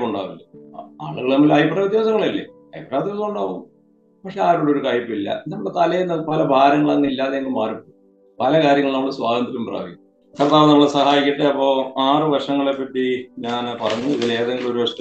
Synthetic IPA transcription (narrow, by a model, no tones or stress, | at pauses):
oɳɖa̰ːʋɐlːea̰ːɭuɣɐɭnɐmːɐlɐjprɐʋid̪jaːsɐŋːɐɭilːḛ | ɐjpraːʋid̪jɐʋsɐɐɖo | pɐkʂe̞aːɾoɽeoɾukaːjipːilːɐ̰end̪ɐmɐɭːet̪ɐlɐjnːɐpɐlɐbʱaːɾɐŋːɐɭɐŋːɐilːaːðeŋɡɐlmaːripːoː | pɐlɐkaːɾjɐŋːɐɭnɐmːɐɭɨswaːɡɐnd̪iɾumpra̰ːʋikʲːu | sɐɾɐt̪ːaːʋɐnɐmːɐɭsɐhaːjikʲːiʈːeɐpːo̞ːaːrɨʋɐrʂɐŋːɐɭepːɐʈːiɲaːnpɐrɐɲːuiðileːðɐŋɡiɭo̞ɾuʋɐʂt̪ː